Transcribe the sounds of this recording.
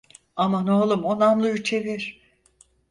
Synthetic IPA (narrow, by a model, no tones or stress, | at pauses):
amanoːlˠumonamlˠɯjut͡ʃʰe̞viɾ̥